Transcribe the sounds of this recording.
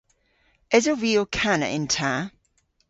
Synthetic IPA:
ɛzəviːəkʰanə̰ʔɪ̰̃ntʰa

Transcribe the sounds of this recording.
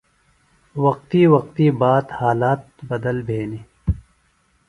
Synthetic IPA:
wɐq̚t̪iːwɐq̚t̪iːbaːt̪haːlaːt̪̚bɐd̪əlbʱeːniː

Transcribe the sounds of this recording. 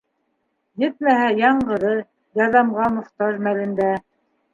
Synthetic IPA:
jɘt̪̚mæhæjɑɴɢɤ̆ðɤ | jɑðɑmʁɑmŏχt̪ɑʒmælɘ̆nd̪æ

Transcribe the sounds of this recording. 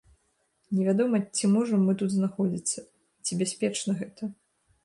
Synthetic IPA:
nʲɛvʲad̪ɔmɐt͡sʲimɔʐɐmːɨt̪ut̪znaxɔd͡zʲit̪sːɐ | t͡sʲibʲasʲpʲɛt͡ʂnɐɣɛt̪ɐ

